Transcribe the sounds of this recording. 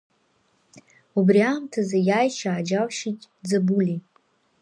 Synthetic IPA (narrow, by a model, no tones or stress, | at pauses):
ubriaːmtʰazajajʃaːd͡ʒawʃitʼ | d͡zabuli